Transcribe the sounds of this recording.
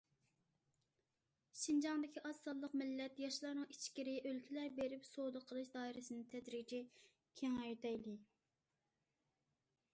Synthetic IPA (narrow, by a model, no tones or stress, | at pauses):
ʃind͡ʒɑŋd̪ɪkʲʰiʔɑsːɑlˠːəqmɪlːɛt̪jɑʃlˠɑɾnɨŋit͡ʃʰkʲiɾɪʔølkʲʰilæɾbeɾypsod̪əqʰəlˠɨʃd̪ɑːiɾɪsɨnɨt̪ʰɛd̪ɾid͡ʒʰi | kʲʰeŋɑjt̪ʰɛjlɪ